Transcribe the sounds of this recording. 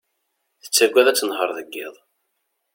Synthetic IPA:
θə̥t͡sːæɡʷæðæt͡sːənhəɾˤðəɡːɪ̰ðˤ

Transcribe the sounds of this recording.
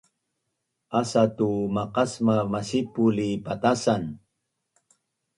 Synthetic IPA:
asatumaqasmamasipulipat̪asan

